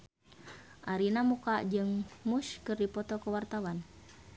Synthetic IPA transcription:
ʔaɾinamukaʔd͡ʒɨŋmuskɨrdipɔt̪ɔkəwart̪awan

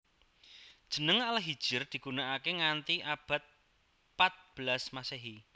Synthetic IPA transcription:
d̥ʒ̥ə̤nəŋalaɦid̥ʒ̥ɪrd̪̥i̤ɡ̥unaʔakeŋant̪iʔab̥a̤t̪̚ | pat̪̚b̥əlasmaseɦi

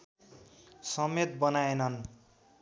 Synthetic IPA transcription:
sʌmet̪̚bʌnaenʌn

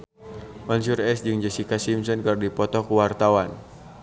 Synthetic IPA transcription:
mɔnsurɛsd͡ʒɨŋd͡ʒasikasimsɔnkɨrdipɔt̪ɔkuwart̪awan

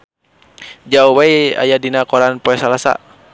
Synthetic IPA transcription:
d͡ʒauwaia̰jadinakɔɾanpɔɛsalasa̰

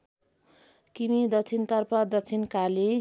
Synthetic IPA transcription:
kimid̪ʌt͡sʰint̪ʌrpʌd̪ʌt͡sʰinkale

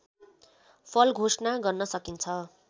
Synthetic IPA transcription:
pʰʌlɡʱosnaɡʌrnʌsʌkint͡sʰʌ

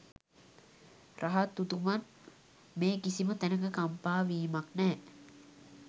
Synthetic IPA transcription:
rʔaɦat̪ːut̪uman | meːkisimət̪ænəkəkampaːʋiːmaknɛː

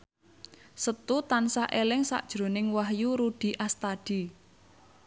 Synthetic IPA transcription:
sət̪ut̪ansaʔelɪŋsa̰ʔd̥ʒ̥ɾo̤nɪŋwaɦjuɾud̥i̤ʔast̪aɖ̥i̤

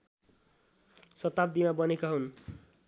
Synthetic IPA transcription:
sʌt̪ab̚d̪imabʌnekaɦun

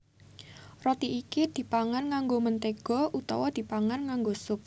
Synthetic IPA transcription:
rɔt̪iːkid̪̥i̤paŋankaŋɡomənt̪eɡ̥ɔ̤ʔut̪ɔ̰wɔd̪̥i̤paŋankaŋɡosʊp̚

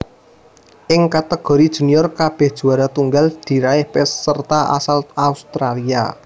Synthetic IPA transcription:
ʔɪŋkat̪əɡ̥ɔ̤ɾid̥ʒ̥ṳnijɔrkab̥ɛ̤hd̥ʒ̥ṳaɾat̪uŋɡald̪̥i̤ɾaɪhpɛsːərt̪aʔa̰salaust̪ɾalia̰

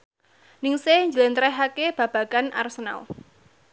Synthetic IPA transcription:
nɪŋseɲd͡ʒələnt̪ɾɛɦakeb̥a̤b̥a̤ɡ̥ana̰rsəna̰l

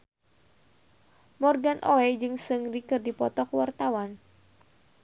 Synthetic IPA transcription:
mɔrɡanʔoɛd͡ʒɨŋsɨŋrikɨrdipɔt̪ɔkwart̪awan

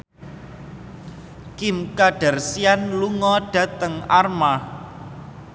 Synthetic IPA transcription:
kɪmkaɖ̥a̤rsianluŋɔɖ̥ä̤t̪əŋarma

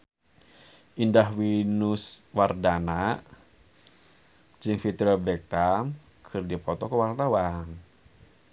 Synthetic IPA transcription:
ʔindaɦwinuswardanaʔ | d͡ʒiŋfit̪ɾɛbɛk̚t̪am | kʰɨrdipɔt̪ɔkəwart̪awaŋ

